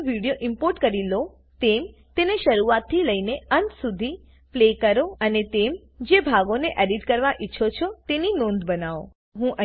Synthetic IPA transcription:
ʋiɽijoʔɪmpoɾʈkəɾilo | t̪emt̪eneʃəɾuat̪ʰːiləineənt̪sud̪ʱi | plekəɾoənet̪em | d͡ʒebʱaɡoneʔɛɖiʈkəɾʋaʔiːʃʰot͡ʃʰot̪eninõnd̪bənaʋo̰ | ɦũʔə

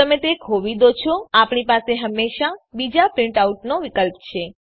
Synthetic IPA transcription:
əmet̪ekʰoʋid̪ot͡ʃʰoapɳipaseɦəmːeʃabid͡ʒapɾɪ̃ɳʈawʈnoʋikəlpt͡ʃʰe

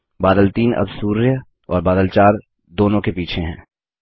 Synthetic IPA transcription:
baːd̪əlt̪iːnʔɐ̰bsuːɾjə | ɔːɾbaːd̪əlt͡ʃaːɾ | d̪oːnõkepiːt͡ʃʰeɦɛ̰̃ː

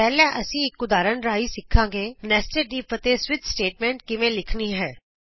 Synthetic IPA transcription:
pɛːlɛ̃ːʔəsĩːɪkːʊd̪aːɾənɾaːiːsɪkʰːãːɡeːnɛːsʈəːɖiːpət̪eːswɪt̪sʈeːʈ̚mɛ̃ːɳʈkɪʋẽːlɪkʰniːɦɛː

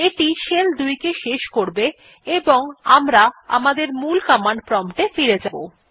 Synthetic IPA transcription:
eʈiʃeld̪ujkeʃeʃkoɾbe | eboŋamɾaamad̪eɾmulkamaɳɖ̚pɾɔmʈefiɾed͡ʑabo̰

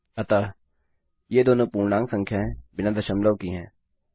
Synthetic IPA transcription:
ɐt̪a | jeːd̪oːnõpuːɽnãːŋɡsɐ̃ŋkʰjaɦɛ̃bɪnad̪ɐʃəmləʋkiɦɛ̃ː

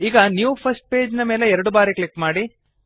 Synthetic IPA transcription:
iːɡɐniːʋupʰɐsʈ̚pe̞ːd͡ʒnɐmeːleɛɾɐɽubaːɾiklikmaːɽi

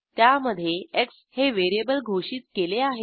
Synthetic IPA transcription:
t̪jaməd̪ʱːjeeks | heʋeɾijebəlɡʱoɕiːt̪keleaɦe

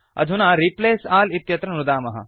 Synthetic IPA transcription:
ɐ̰d̪ʱunaːɾipleːsaːlit̪jɐt̪ɾɐnɾud̪aːmɐɦɐ̰

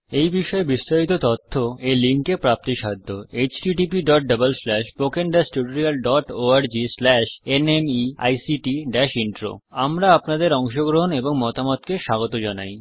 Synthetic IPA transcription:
ejbiʃɔebist̪aɾit̪ot̪ɔt̪ʰːoeliŋkepɾap̚t̪iʃad̪ʱːoet͡ɕʈiʈipiɖɔʈ̚ɖəbəlslɛʃpokeɳɖasʈuʈoɾialɖɔʈoaɾd͡ʑislɛʃenemia̰jsiʈiɖɛʃiɳʈɾo̰amɾaapnad̪eɾɔŋʃoɡɾoɦoneboŋmɔt̪amot̪keʃaɡot̪od͡ʑanaj

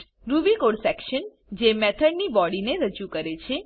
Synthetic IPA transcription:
ɾuʋikoɽsɛkʃən | d͡ʒemɛt̪ʰəɽnibɔɽineɾəd͡ʒukəɾet͡ʃʰe

